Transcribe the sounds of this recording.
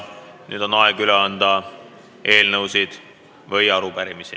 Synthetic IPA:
ny̰ːd̪̥o̞nːɑeɡ̥yleɑnd̪ɑ | ʔe̞ːlnɤwsid̪̥ | vɤjɑɾupæɾimisi

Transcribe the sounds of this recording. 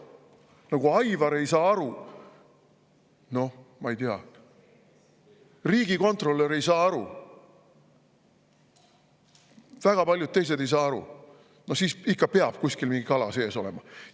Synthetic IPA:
nɑɡ̥uɑjvɑɾe̞jsɑːɑɾu | no̞hmɑejt̪eɑ̰ | riːɡ̥iko̞nt̪ro̞lːe̞ɾe̞jsɑːɑɾu | væɡ̥ɑpɑlʲjud̪̚t̪e̞js̬e̞d̪e̞js̬ɑːɑɾṵ | no̞siːsikːɑpeɑb̥̚kusʲkilmiŋɡ̥ikɑlɑ̰se̞ːso̞le̞̰mɑ

